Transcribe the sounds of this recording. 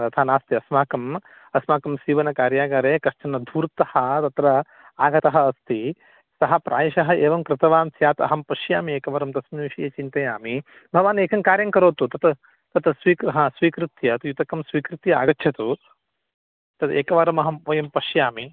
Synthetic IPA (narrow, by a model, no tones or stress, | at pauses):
t̪ɐt̪ʰaːnaːst̪iɐsmaːkɐm | ɐsmaːkɐmsiːʋɐnɐkaːɾjaːɡaːɾeːkɐʃt͡ʃɐnɐd̪ʱuːɾt̪ɐhɐ̆t̪ɐt̪ɾɐ | aːɡɐt̪ɐɦɐːst̪i | sɐɦɐpɾʔa̰ːjɐʃɐɦɐeːʋɐmkɾɪt̪ɐʋaːmsjaːt̪ɐ̰ɦɐmpɐʃjaːmieːkɐʋɐɾɐmt̪ɐsmiʋiʃijeːt͡ʃint̪ɐjaːmi | bʱɐʋaːneːkʰɐŋkaːɾjɐŋkɐɾoːt̪ut̪ɐt̪ | t̪ɐt̪sʋiːkɾɐɦɐsʋiːkɾut̪jɐt̪jut̪ɐkɐmsʋiːkɾut̪jɐa̰ːɡɐtːt͡ʃʰɐt̪u | t̪ɐt̪ḛːkɐʋaɾɐmɐɦɐmʋɐjɐmpɐʃjaːmi